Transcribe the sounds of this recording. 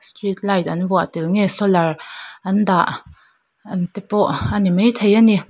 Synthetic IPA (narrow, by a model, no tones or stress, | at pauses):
st̪rit̪̚lajt̪̚anvɔaʔt̪ilŋɛsɔlarʔɐnd̪aʔ | ʔant̪ɛpɔʔanimejt̪ʰejani